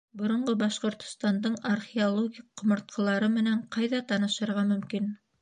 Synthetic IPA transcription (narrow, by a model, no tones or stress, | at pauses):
bŏɾŏɴɢɤbɑʃqŏɾt̪ŏ̥st̪ɑnd̪ɤɴarχʲiolˠoɡʲiqːŏmŏɾt̪̚qʰɤ̆lˠɑɾɤmɘ̆næɴqɑjðɑt̪ɑnɤ̆ʃɤ̆ɾʁɑmɵ̆mkin